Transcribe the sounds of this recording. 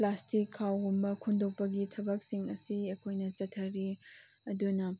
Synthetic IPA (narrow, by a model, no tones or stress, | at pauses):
plastikʰːawɦumbɐkʰundok̚pɐɡitʰɐbɐk̚siŋɐsiɐkʰojnɐt͡ʃɐtʰːɐɾi | ɐdunɐ